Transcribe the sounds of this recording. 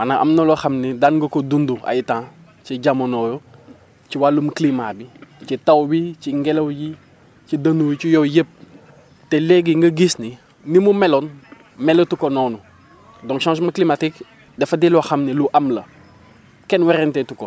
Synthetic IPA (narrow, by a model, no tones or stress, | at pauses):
wanaʔa̰mnoloxamnidanɡɐkodundua̰jitãː | t͡ʃiɟamonojo | t͡ʃiwalumuklimabit͡ʃitawbit͡ʃiŋɡelowji | t͡ʃidɐnujt͡ʃijowjəp̚ | teleɡiŋɡɐɡisni | nimumɛlon | mɛlotukonɔnu | dɔ̃ŋkʃãns̬maklimatik | dɛfɐdilɔxamniluʔamlɐ | kɛnwɛɾɛntetuko